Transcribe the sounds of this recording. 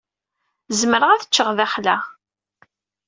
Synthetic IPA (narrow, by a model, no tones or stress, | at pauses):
zməɾəʁæθə̥t͡ʃːəʁðæχlæ